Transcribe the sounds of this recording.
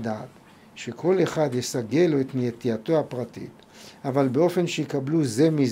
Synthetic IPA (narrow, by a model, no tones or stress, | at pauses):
dat̪ | ʃe̞kʰo̞leχad̪jesaɡe̞loet̪nijet̪ijatoapʁatḭt | avalbeo̞fe̞nʃejikabluze̞mi